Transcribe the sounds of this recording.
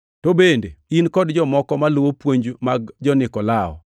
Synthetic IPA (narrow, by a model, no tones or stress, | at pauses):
tobendeinkɔdd͡ʒɔmɔkɔmalowopwoɲd͡ʒmaɡd͡ʒɔnɪkɔlaɔ̰